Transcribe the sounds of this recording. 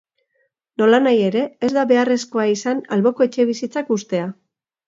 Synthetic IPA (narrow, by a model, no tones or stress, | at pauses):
no̞lanaje̞ɾe̞ːzd̪aβe̞are̞sko̞aisanalβo̞ko̞e̞t͡ʃe̞β̞isit͡sakust̪e̞a